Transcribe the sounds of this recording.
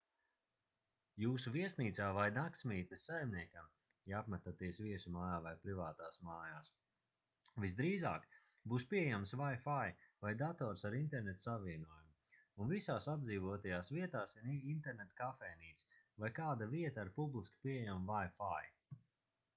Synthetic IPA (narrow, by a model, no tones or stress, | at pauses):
juːsuviɛsniːt̪saːvajnakt̪smʲiːt̪esajmniɛkam | japmat̪at̪iɛsviɛsumaːjaːvajpɾivaːt̪aːsmaːjaːs | vizd̪ɾiːza̰ːk | buːspiɛjamsvajfajvajd̪at̪ɔːɾsaɾint̪ɛɾnet̪saviɛnuɔjum | unvisaːsad̪d̪ziːvɔt̪ajaːsviɛt̪aːsiɾint̪ɛɾnet̪kafɛːniːt̪s | vajkaːd̪aviɛt̪aːɾpublˠiskpiɛjamvajfaj